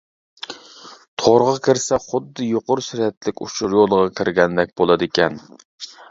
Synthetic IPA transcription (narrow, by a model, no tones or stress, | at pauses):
t̪ʰoɾʁɑkʲʰɪɾsɛχʊd̪ːɨjoqʊɾsɪɾɛt̪lɪkʲṵʃʰʊɾjolˠʁɑkʲʰɪɾɡʲɛnd̪ɛk̚ʲbolˠɑd̪ɪkʲʰɛn